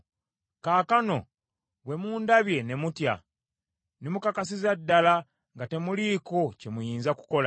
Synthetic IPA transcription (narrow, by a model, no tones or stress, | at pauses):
kaːkano̞̰ | βwe̞muːndaβje̞ne̞mutja̰ | nemukakasizadːala | ŋɡate̞muliːko̞ce̞mujiːnzaku̥ko̞la